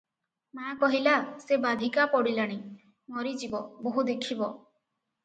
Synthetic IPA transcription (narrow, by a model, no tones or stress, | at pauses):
makɔɦilasebad̪ʱikapɔɽilaɽ̃i | mɔɾid͡ʒibɔboɦud̪ekʰibɔ